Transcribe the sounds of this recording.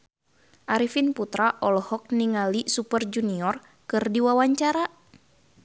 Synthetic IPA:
ʔaɾifinput̪ɾaʔɔlhɔk̚niŋalisupərd͡ʒuniɔr | kɨrdiwawaɲt͡ʃaɾa

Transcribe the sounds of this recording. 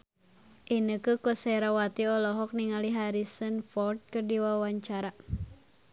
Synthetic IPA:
ʔinəkəkɔsɛɾawat̪iɔlɔɦɔk̚niŋaliɦaɾisənfɔrt̪̚kɨrdiwawaɲt͡ʃaɾa

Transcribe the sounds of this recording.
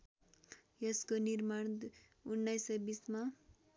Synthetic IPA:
jʌskonirman | unːajsʌjbisma

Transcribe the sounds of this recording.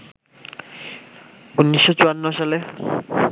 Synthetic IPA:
unːiʃːot͡ɕuanːoʃale

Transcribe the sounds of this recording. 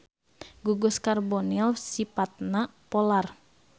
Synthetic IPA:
ɡuɡʊskarbɔnilsipat̪̚napɔlar

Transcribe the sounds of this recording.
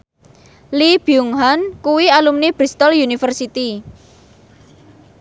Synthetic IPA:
libjuŋɦankuwialumnib̥ɾist̪ɔljunifərsit̪i

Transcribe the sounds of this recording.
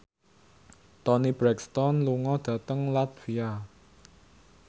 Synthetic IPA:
t̪ɔnib̥ɾɛkst̪ɔnluŋɔd̪̥ä̤t̪əŋlat̪̚via

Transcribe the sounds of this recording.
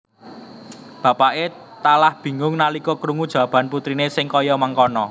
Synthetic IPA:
b̥ä̤paʔe | t̪alahb̥i̤ŋʊŋnalikɔkɾuŋud̥ʒ̥a̤b̥ä̤nput̪ɾinesɪŋkɔjɔməŋkɔnɔ

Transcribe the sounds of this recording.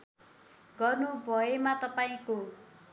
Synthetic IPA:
ɡʌrnubʱʌemat̪ʌpaĩko

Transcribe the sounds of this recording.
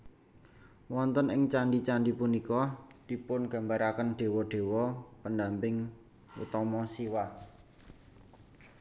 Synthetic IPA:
wɔnt̪ənɪŋt͡ʃaɳɖit͡ʃandipunikɔd̪̥i̤pʊnɡ̥ä̤mbaɾakənɖ̥e̤wɔɖ̥e̤wɔpənda̤mpɪŋ | wṵt̪ɔmɔsiwa

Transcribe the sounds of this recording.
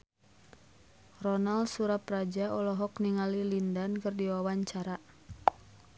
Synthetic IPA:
rɔnaldsuɾaprad͡ʒaɔlɔɦɔkniŋalilindankɨrdiwawaɲt͡ʃaɾa

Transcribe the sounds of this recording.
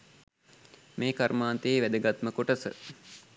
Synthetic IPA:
meːkaɾmaːnt̪əeʋæd̪əɡat̪məkoʈəsə̰

